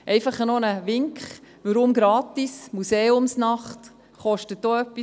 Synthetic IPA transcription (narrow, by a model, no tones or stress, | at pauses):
ʔɛɪfɑχənɔnəʋɪŋkχʋəɾʊmɡɾɑːtismuseːʊmsnɑχt | χɔʃtət̚doœpːi